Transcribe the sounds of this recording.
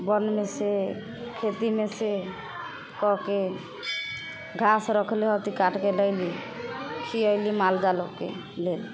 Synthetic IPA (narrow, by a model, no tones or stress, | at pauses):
bɔnmese | kʰet̪imese | kɔɦke | ɡʱasɾɔkʰliɦɔt̪ikaʈkeləɪli | kʰiəjlimald͡ʒalokḛ | lel